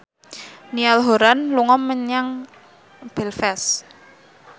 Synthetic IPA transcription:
nialɦoɾanluŋɔmːəɲaŋ | b̥ɛlfɛs

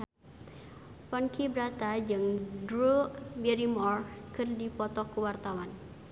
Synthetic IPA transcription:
pɔnkibɾat̪ad͡ʒɨŋdɾubɛɾimɔrkɨrdipɔt̪ɔkuwart̪awan

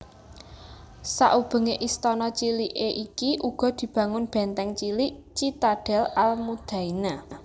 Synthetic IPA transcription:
sa̰ʔub̥ə̤ŋeʔist̪ɔnɔt͡ʃiliʔeʔikiʔuɡ̥ɔ̤d̪̥i̤b̥ä̤ŋʊnb̥ɛ̤nt̪ɛŋt͡ʃiliʔt͡ʃit̪aɖ̥ɛ̤lalmud̪̥ä̤ina

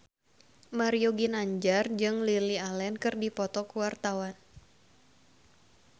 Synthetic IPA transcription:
maɾioɡinaɲd͡ʒard͡ʒɨŋlilialɛnkɨrdipɔt̪ɔkuwart̪awan

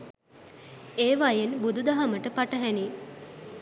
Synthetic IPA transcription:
eːʋajenbud̪ud̪aɦaməʈəpaʈəɦæni

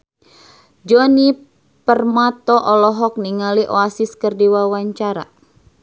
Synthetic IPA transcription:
d͡ʒɔni | pərmat̪ɔʔɔlɔɦɔk̚niŋaliʔɔasiskərdiwawaɲt͡ʃaɾa̰

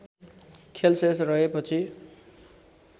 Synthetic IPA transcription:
kʰelsesrʌɦepʌt͡sʰi

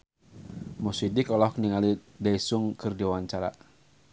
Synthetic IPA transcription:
mɔsidikɔlɔhkniŋalidaisʊŋkɨrdiwawaɲt͡ʃaɾa̰

